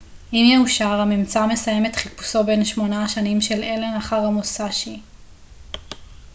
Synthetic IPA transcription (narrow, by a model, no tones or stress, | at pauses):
ʔimjeuʃaʁamimt͡same̞saje̞met̪χipu̥so̞be̞nʃmo̞naʃanimʃelelenaχaʁamosaʃi